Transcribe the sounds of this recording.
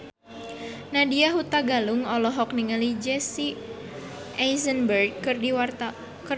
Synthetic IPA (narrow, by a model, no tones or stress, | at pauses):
nadiaɦut̪aɡaluŋɔlɔɦɔkniŋalid͡ʒɛsi | ʔajzənbərɡ̚kɨrdiwr | k